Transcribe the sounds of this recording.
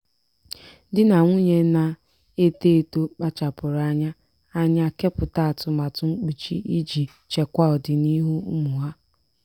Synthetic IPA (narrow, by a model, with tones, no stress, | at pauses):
dɪ˦na˨ŋʷu˦ɲe˦na˦ | e˦te˦˨to˦k͡pa˦t͡ʃa˨pʊ˨ɾa˦ɲa˦ | a˦ɲa˦ke˦pʊ˨ta˦a˨tʊ˨ma˨tʊ˨ŋ͡m̩˦k͡pi˨t͡ʃi˦i˦d͡ʒi˨ | t͡ʃe˨kʷa˦ɔ˨dɪ˨ni˦ɦu˦u˦mu˨ɦa˦